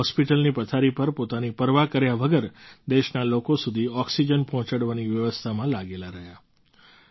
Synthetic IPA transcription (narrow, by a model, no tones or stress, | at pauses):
ɦɔspiʈəlnipət̪ʰaɾipəɾpot̪anipəɾʋakəɾjaʋəɡəɾd̪eʃnalokosud̪ʱiɔksid͡ʒənpɔɦɔ̃t͡ʃaɽʋaniʋjəʋəst̪ʰamãlaɡelaɾəɦja